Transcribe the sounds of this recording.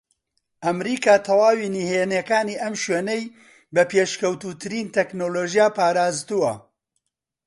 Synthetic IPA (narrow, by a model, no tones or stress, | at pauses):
ʔɐmɾiːkaːt̪ʰɐwaːwiːnihenekaːniʔɐmʃweːnej | bɐpeʃkɐwt̪uːt̪ʰɨɾiːnt̪ʰeknoːloːʒijaːpaːɾaːzt̪uwɐ̰